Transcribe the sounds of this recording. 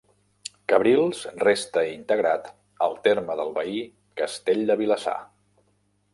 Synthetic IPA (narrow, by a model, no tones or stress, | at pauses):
kəβɾilˠsrest̪əint̪əɣɾat̪ | ə̰lˠt̪eɾməðəlˠβəi | kəst̪eʎʲd̪əβiləsa̰